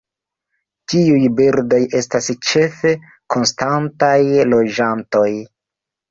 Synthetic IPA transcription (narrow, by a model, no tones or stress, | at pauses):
tiujbiɾdo̞je̞stast͡ʃe̞fe̞ | ko̞nstantajlo̞d͡ʒanto̞j